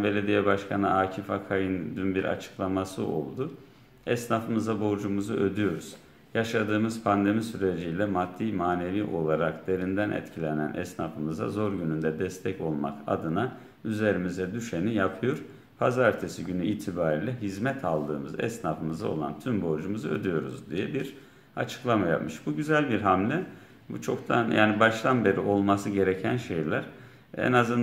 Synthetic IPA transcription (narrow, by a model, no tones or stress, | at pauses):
be̞lʲe̞d̪ijɛbaʃkʰanɯʔaːcʰifakʰajɯnd̪ynbiɾʔa̰t͡ʃʰɯ̥klˠamasɯʔo̞̰lˠd̪u | ɛsnafɯmɯzabo̞ɾd͡ʒumuzuʔø̞d̪yjo̞ɾuz̥ | jaʃad̪ɯːmɯz̥pʰand̪e̞misyɾe̞d͡ʒijlʲɛmad̪̥ːiːmaːne̞viːʔo̞lˠaɾakd̪̥e̞ɾind̪ænʔɛ̰t̪cʰilʲe̞næ̰nʔɛ̰snafɯmɯza̰zo̞ɾɟynynd̪ɛd̪ɛst̪ʰɛco̞lˠma̰ka̰d̪ɯna | yze̞ɾimizɛd̪yʃenijapʰɯjo̞ɾ̥ | pʰazaɾt̪ʰesiɟynyiːt̪ʰibaːɾiːlʲɛɦizmɛt̪ʰalˠd̪ɯːmɯzɛ̰snafɯmɯzao̞̰lˠa̰nt̪ʰymbo̞ɾd͡ʒumɯzɯø̞d̪yjo̞ɾṵzd̪ijɛbiɾ | a̰t͡ʃʰɯ̥klˠamaja̰pmɯʃbuɟyzælʲbiɾɦamlʲɛ | but͡ʃʰo̞kt̪ʰanjʔa̰ːnibaʃt̪ʰanbe̞ɾio̞lˠmasɯɟe̞ɾecʰænʃe̞jlʲæɾ̥ | ɛ̰nazɯn